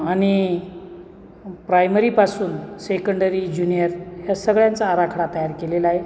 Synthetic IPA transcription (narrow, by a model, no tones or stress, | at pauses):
aɽ̃i | pɾajməɾipasuːnsekəɳɖəɾid͡ʑunijəɾɦjasəɡɭjant͡saːɾakʰɽat̪əjaɾkelelae